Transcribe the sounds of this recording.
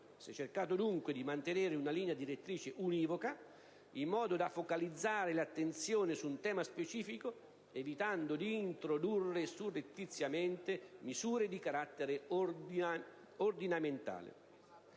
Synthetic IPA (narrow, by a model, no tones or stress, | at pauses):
sɛt͡ʃːerkaːt̪od̪uŋkwed̪imant̪eneːɾɪunaliːnjad̪iɾet̪ːɾiːt͡ʃɪʔuniːvoka | imːɔːd̪od̪afokalid̪zːaːɾɪlat̪ːent̪sjoːnɪsuːnt̪ɛːmaspet͡ʃiːfiko | evit̪and̪od̪iːnt̪ɾod̪urːesurːet̪ːit̪sːjament̪emizuːɾed̪ikaɾat̪ːeɾe | ord̪inament̪a̰ːlɪ̰